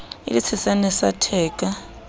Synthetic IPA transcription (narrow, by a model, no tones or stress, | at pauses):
ḭlit͡sʰɛsanɛsatʰɛːk̬ʼa